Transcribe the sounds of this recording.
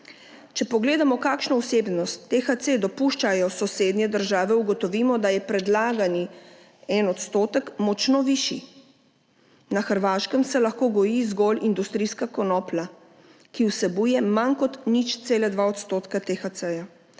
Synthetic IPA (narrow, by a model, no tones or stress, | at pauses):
t͡ʃɛpɔɡleːd̪amɔkaːkʃnɔusebnɔst̪ːexat̪sed̪ɔpuʃt͡ʃajɔsɔseːd̪nɛd̪əɾʒaːʋɛuɡɔt̪ɔʋiːmɔd̪ajɛpɾɛd̪laːɡani | ɛnɔt̪st̪oːt̪əkmɔt͡ʃnɔʋiʃi | naxəɾʋaʃkəmsɛlaxkoːɡɔjizɡɔlind̪ust̪ɾiskakɔnɔːpla | kiwsɛbuːjɛmankɔt̪nit͡ʃt̪seːlad̪ʋaɔt̪st̪oːt̪kat̪exat̪sɛja